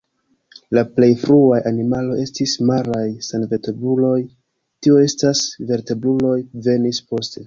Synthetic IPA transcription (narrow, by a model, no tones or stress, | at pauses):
laple̞jfɾuajʔanimalo̞je̞stismaɾajsanve̞te̞bulo̞j | tioe̞stasve̞ɾte̞bɾulo̞jve̞nispo̞ste̞